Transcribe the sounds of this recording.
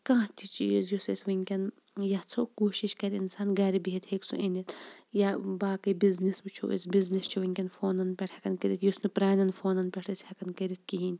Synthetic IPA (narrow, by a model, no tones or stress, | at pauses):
kãːt̪ʰit͡ʃiːzjusisʲʋɐŋʲkʲɐn | jɐt͡sʰokoːʃiʃkɐɾiinsaːnɡɐɾibiɦit̪heːksṵʔenit̪jabaːkɐbiznisbɨt͡ʃʰṵʔḭsbiznist͡ʃʰiʋɐŋʲkʲɐnfoːnɐnpʲɐʈʰɐkɐnkɐɾit̪jusnɨpɾaːnɐnfoːnɐnpʲɛʈʰɐsʲhɐkɐnkɐɾit̪̚ʰkiɦinʲ